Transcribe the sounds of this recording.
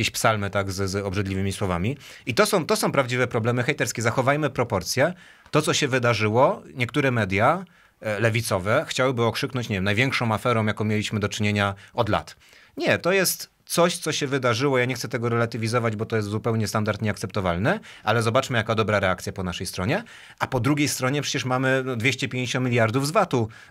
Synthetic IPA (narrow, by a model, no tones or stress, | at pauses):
kʲeɕpsalmɘt̪aɡzzɔbʐɛd̪lʲivɘmʲiswɔvamʲiit̪ɔsɔ̃w̃t̪ɔsɔ̃w̃pɾavd͡ʑivɛpɾɔblɛmɘxɛjt̪ɛɾskʲɛzaxɔvajmɘpɾɔpɔɾt̪sʲjɛ | t̪ɔt̪sɔɕɛvɘd̪aʐɘwɔɲɛkt̪uɾɛmɛd̪ʲja | lɛvʲit̪sɔvɛxt͡ɕawɘbɘɔkʂɘknɔ̃ɲt͡ɕɲevjɛmnajvʲjɛŋkʂɔ̃w̃afɛɾɔ̃w̃jakɔ̃w̃mjelʲiɕmɘd̪ɔt͡ʂɘɲeɲaɔd̪la̰t̪ | ɲɛt̪ɔjɛst̪ | t̪sɔɕt̪sɔɕɛvɘd̪aʐɘwɔjaɲɛxtsɛt̪ɛɡɔɾɛlat̪ɘvʲizɔvad͡ʑbɔt̪ɔjɛst̪zupɛwɲɛst̪and̪aɾt̪ɲɛakt̪sɛpt̪ɔva̰lnɘ | ʔalɛzɔbat͡ʂmɘjakad̪ɔbɾaɾɛakt̪sʲjapɔnaʂɛjst̪ɾɔɲɛ | ʔapɔd̪ɾuɡʲejst̪ɾɔɲɛpʂɛ̥t͡ɕɛʂmamɘnɔd̪vʲjɛɕt͡ɕɛpʲjẽɲt͡ɕɔmʲilʲjaɾd̪uvzvat̪u